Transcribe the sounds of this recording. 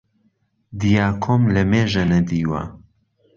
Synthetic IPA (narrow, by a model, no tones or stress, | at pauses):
d̪ijaːkʰomlɐmeːʒɐnɐd̪iːwa̰